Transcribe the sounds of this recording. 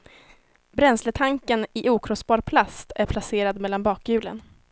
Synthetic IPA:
bɾɛnslət̪ʰaŋkənɪʔuːkʰɾɔsbɑːɾpʰlast̪æɾpʰlaseːɾad̪mɛlːanbɑːkjʉ̟ːlə̰n

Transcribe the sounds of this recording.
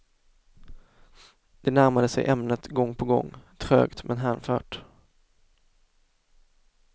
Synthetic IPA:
d̪̥ɛnæɾmad̪əsɛ̰jʔɛmnət̪ɡɔŋːpʰɔɡɔ̰ŋːt̪ʰɾøːɡt̪mʔɛnɦæːɳfœ̰ːʈ

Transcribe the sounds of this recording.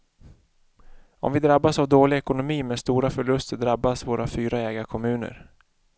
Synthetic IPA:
ɔ̰mvɪd̪ɾabːasavd̪oːlɪɛkʊnʊmiːmeːd̪st̪uːɾafœɭɵst̪d̪ɾabːasvoːɾafyːɾaɛːɡakʰɔmʉ̟ːnə̰ɾ

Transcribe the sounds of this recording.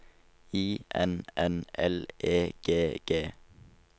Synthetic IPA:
iːʔɛnɛnʔɛleːɡ̥eːɡ̥eː

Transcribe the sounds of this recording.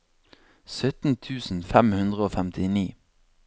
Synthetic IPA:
sœt̪n̩t̪ʰʉːsn̩fɛmhʉnd̪ʁəoːfɛmt̪ʰɪniː

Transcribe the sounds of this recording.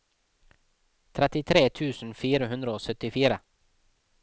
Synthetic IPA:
t̪ʰɾɛt̪ɪt̪ʰɾeːt̪ʰʉːsn̩fiːɾəɦʉnd̪ɾəoːsœt̪ɪfiːɾə

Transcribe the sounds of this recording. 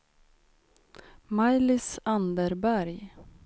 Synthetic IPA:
majlɪsand̪əɾbæɾj

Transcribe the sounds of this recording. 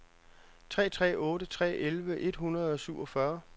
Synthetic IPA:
t͡sʰʁɛ̰ːt͡sʰʁɛ̰ːɔ̽ːɾət͡sʰʁɛ̰ːʔelʋəʔe̝d̥ɦunɐð̩ˠɒ̽syʊ̰ɒ̽fɶɐ

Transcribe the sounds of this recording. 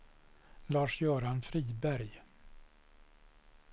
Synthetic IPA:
lɑːʂjœːɾanfɾiːbæɾj

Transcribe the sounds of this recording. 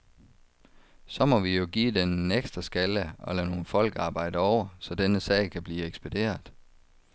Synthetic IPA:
sɒ̽mɒ̽ʋijo̝ɡ̥ḭːd̥eneɡ̥sd̥ʁɐsɡ̥æləɒ̽lɛːno̝ːn̩fɒ̽l̰ɡ̥ɑ̈ːb̥ɑ̈ɪ̰d̥əɒʊ̰ɐsɒ̽d̥enəsɛ̰ɪkʰæb̥liːeɡ̥sb̥æd̥e̝̰ːɐðˠ

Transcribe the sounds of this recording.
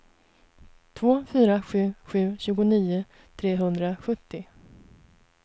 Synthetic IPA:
t̪ʰvoːfyːɾaɧʉ̟ːɧʉ̟ːɕʉ̟ːɡʊniːʊ | t̪ʰɾeːɦɵnd̪ɾaɧɵt̪ːɪ

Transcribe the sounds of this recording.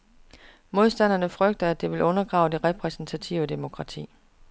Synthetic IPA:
mo̝ð̞ˠsd̥æn̰ɐnəfʁœɡ̥̚d̥ɐæd̥e̝ʋe̝lʔɔ̽nɐɡ̥ʁɑ̈ʊd̥e̝ʁɛpʰʁɛsn̩t͡sʰæt͡sʰiʊəd̥e̝mo̝kʰʁɑ̈t͡sʰḭː

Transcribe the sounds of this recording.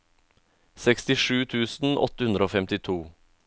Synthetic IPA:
sɛkst̪ɪʂʉːt̪ʰʉːsn̩ʔɔ̰t̪əhʉnd̪ɾəoːfɛmt̪ɪt̪ʰuː

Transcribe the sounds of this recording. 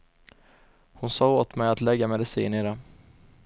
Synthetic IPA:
hʊnsɑːoːt̪mɛjat̪lɛɡːamɛd̪ɪsḭːnɪɾa

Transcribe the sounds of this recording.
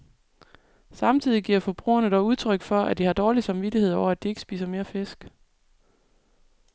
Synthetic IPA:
sɑ̈mt͡sʰið̞̰ˠiɡiɐfɒ̽b̥ʁṵːɐnəd̥ɒʊuð̞ˠt͡sʰʁœɡ̥fɒ̽ʔæd̥ihɑ̈d̥ɒːlisɑ̈mʋidihe̝ð̞̰ˠɒʊ̰ɐæd̥ie̝ɡ̥əsb̥ḭːsɐme̝ːɐfesɡ̥

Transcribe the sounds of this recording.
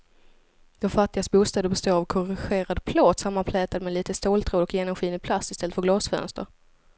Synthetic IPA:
d̪̥ɔmfat̪ːɪɡasbuːst̪ɛːd̪əɾbɛst̪oːɾavkʰɔɾɪɧeːɾad̪pʰlɑːt̪samːanpʰlɛːt̪ad̪mɛliːt̪əst̪oːlt̪ʰɾoːd̪ɔkjeːnɔmɧiːnɪpʰlast̪ɪst̪ɛlət̪fœɾɡlɑːsfœ̰nst̪ə̰ɾ

